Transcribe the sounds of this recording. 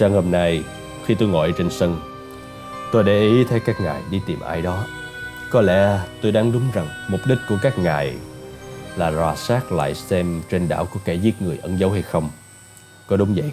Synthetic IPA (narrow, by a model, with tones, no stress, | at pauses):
saː˧ŋho˧mna˧j | xi˧t̪o˧jŋɔ̰˧˨jt͡ɕe˧nsə˧ŋ | t̪o˧jɗe˧˩ʔi˨˦t̪ʰə˨˦jkaː˦˥k̚ŋaː˨˩jɗi˧t̪i˨˩mʔa̰ː˧jɗɔ˨˦ | kɔ˨˦lɛ̰˧˥t̪o˧jɗaː˨˦ŋɗʊ˨˦ŋ͡mza˨˩ŋmʊ˨˩k͡p̚ɗï˦˥k̟̚ku˧˩əkaː˦˥k̚ŋaː˨˩j | laː˨˩zwaː˧˩saː˦˥k̚la̰ː˧˨jsɛ˧mt͡ɕe˧nɗa̰ː˧˨wku˧˩əkɛ˧˩zi˦˥t̚ŋɨ˨˩əjʔə˧˦nzə˨˦wha˧jxə˧wŋ͡m | kɔ˨˦ɗʊ˨˦ŋ͡mzə̰˧˨j